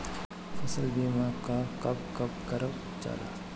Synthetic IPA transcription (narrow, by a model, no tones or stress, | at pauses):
fɐsəlbiːmãkakɐpkɐp̚kɐɾəp | t͡ʃa̰ːla̰